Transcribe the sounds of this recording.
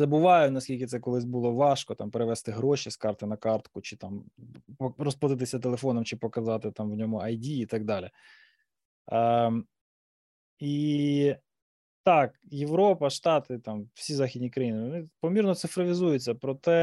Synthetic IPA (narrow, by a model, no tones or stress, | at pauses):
zɐbʊʋɑjʊnɐsʲkʲilʲkʲɪt̪sɛkɔlˠɪsʲbʊlˠɔʋɑʃkɔt̪ɑmpeɾeʋɛst̪ɪɦɾɔʃiskɑrt̪ɪnɐkɑrt̪kʊt͡ʃɪt̪ɑm | rɔspɐd̪ɪt̪̬ɪsʲɐt̪elˠefɔnɔmt͡ʃɪpɔkɐzɑt̪ɪt̪ɑmwnʲɔmʊɐjdʲiːt̪ɑɡ̚d̪ɑlʲɪ | i | t̪ɑkjeʋɾɔpɐʃt̪ɑt̪ɪt̪ɑmwsʲizɑxʲidʲnʲikɾɐjinɪɔnɪpɔmʲirnɔt̪sɪfɾɔʋʲɪzujʊt͡sʲːɐpɾɔt̪ɛ